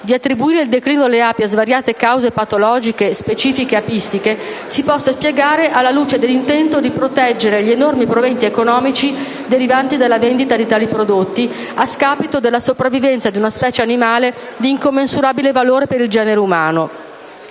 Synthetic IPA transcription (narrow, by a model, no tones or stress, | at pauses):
d̪iat̪ːɾibuiːɾeild̪ekɾiːnoleaːpiazvaɾjaːt̪ekawzepat̪olɔːd͡ʒikespet͡ʃiːfikeapist̪ikesipɔsːaspjeɡaːɾeʔalːaluːt͡ʃed̪elːint̪ɛnt̪od̪ipɾot̪ɛd͡ʒːeɾeʎienormipɾovent̪iekonɔːmit͡ʃi | d̪eɾivant̪id̪alːavend̪it̪ad̪it̪aːlipɾod̪ot̪ːi | askaːpit̪od̪elːasopɾavːivɛnt̪sad̪iunaspɛːt͡ʃeanimaːled̪iːŋkomːensuɾaːbilevaloːɾepeɾild͡ʒɛːneɾeumaːno